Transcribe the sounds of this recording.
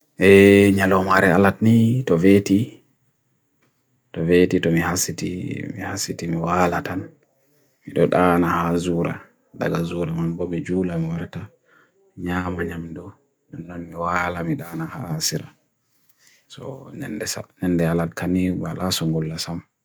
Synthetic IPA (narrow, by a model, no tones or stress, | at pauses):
ʔɛɲalɔmaɾɛaladnitɔveti | tɔvetitɔmihasitḭmḭhasitimiwalatan | miɗɔɗanahazuɾa̰ | da̰ɡazuɾamambɔmid͡ʒulamiwaɾta | ɲaːmaɲamdɔ | nɛnːanmiwalamiɗaːnaha̰ːsiɾa | sɔ̰nɛ̰ndɛsa̰nɛnːdɛalatkʰanibalasɔŋɡulːasam